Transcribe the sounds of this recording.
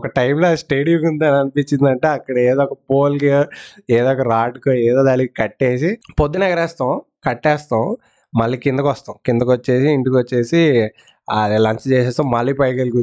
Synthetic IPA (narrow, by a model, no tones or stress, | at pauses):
ɔkɐʈɐjmloːsʈeːɽijukunt̪ɐnɐnipit͡ʃːind̪ɐɳʈeːɐkːɐɽɐeːd̪ɔːkɐpoːlkɐeːd̪ɔːkɐɾaːʈkɐɛːd̪oːd̪aːlikikɐʈːeːs̬ipod̪ːunɐɡɐɾɛːst̪ãw | kɐʈːɛːst̪ãw | mɐlːiːkind̪ɐkʋɐst̪ãːw̃kind̪ɐkɐt͡ʃːe̞ːsiːɳʈikʋot͡ʃːe̞ːsi | alɐnt͡ʃt͡ʃɛːsɛːst̪ɐmɐlːiːpɐjɡɐluɡu